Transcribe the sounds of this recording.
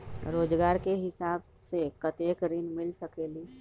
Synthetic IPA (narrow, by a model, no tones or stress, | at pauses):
ɾod͡ʒɡaɾkeɦisab | sekət̪ekɾinmilsəkeli